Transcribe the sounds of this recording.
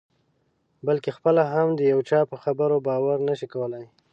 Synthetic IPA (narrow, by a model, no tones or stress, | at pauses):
bəlkexpəlaɦamd̪əjawt͡ʃɑpəxabəɾobɑwaɾnaʃikawəlaj